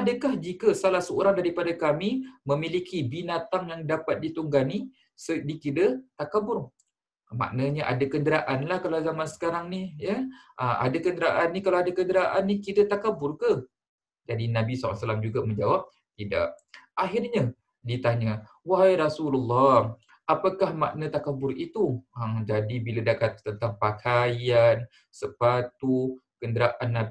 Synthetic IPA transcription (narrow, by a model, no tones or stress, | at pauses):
adəkahd͡ʒikəsalahsəoɾaŋdaɾipadakamiməmilikʰibinat̪aŋjaŋdapat̪̚dit̪uŋɡani | sədikidət̪akabʊr | ma̰ʔnəɲəʔa̰dakəndəɾaʔanlahkalawzamansə̥kaɾaŋnijəʔəʔa̰dakəndəɾaʔanːikalawadakəndəɾaʔanːikidət̪akabʊrkə | d͡ʒadinabisasalamd͡ʒuɡamə̃ɲd͡ʒawap̚ | t̪ida̰ʔaɦirɲa | dit̪aɲa | waɦajɾasululːɑ | ʔapakahma̰ʔnat̪akabʊɾit̪umd͡ʒadibiladakat̪̚t̪ːənt̪aŋpakʰajan | səpat̪u | kəndəɾaʔanːa